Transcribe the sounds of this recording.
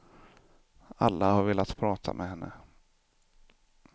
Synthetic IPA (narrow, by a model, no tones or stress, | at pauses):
alːahaɾveːlat̪pʰɾɑːt̪ʰa̰mʔɛɦɛnːə